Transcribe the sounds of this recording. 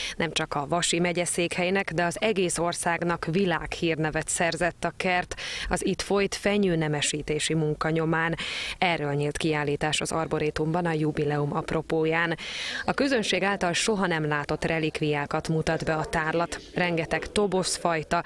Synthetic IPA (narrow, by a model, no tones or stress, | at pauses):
nɛmt͡ʃɒkɒvɒʃimɛɟɛseːkhɛjnɛkd̪ɛɒzɛɡeːso̞rsaːɡnɒkvilaːkhiːrnɛvɛt̪sɛrzɛt̪ːɒkɛrt̪ɒzit̪fo̞jt̪fɛɲyːnɛmɛʃiːt̪eːʃimuŋkɒɲo̞maːnɛrːøːlɲiːlt̪kiaːlːiːt̪aːʃɒzɒrbo̞ɾeːt̪umbɒnɒjubilɛumʔɒpro̞poːjaːnɒkøzø̞nʃeːɡaːlt̪ɒlʃo̞ɦɒnɛmlaːt̪o̞t̪rʔɛlikvijaːkɒt̪mut̪ɒd̪bɛɒt̪aːrlɒt̪rɛŋɡɛt̪ɛkt̪o̞bo̞sfɒjt̪ɒ